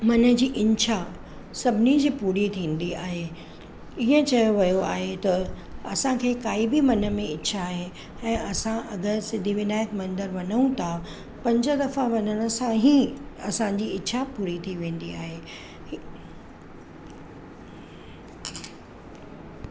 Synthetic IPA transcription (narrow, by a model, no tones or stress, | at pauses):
mɐnə̆d͡ʑiːʔɪ̃ɲʃʰa | sɐbʱɪnid͡ʑiːpuːɾit̪ʰĩːnd̪iaːɦe | iɦə̃t͡ɕɐjoʋɐjoa̰ːɦet̪ɐ | ɐsãkʰeːkaːibɪmɐnə̆mẽɪtːɕʰaːɦe | ɛ̃ːʔɐsãʔɐɡəɾsɪ̃d̪ʱiʋɪnaːjəkmɐ̃nd̪əɾʋɐɲəũt̪ʰa | pɐ̃ɲd͡ʑəd̪ɐfãʋɐnəɽ̃ə̆sãɦiɐsãd͡ʑiɪtːʃʰapuːɾit̪ʰiʋẽːn̆d̪ia̰ːɦe